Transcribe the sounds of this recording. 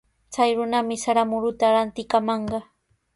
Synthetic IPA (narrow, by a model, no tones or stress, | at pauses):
t͡sajɾʊnamɪsaɾamʊɾʊt̪aɾant̪ɪkamɑɴɢɑ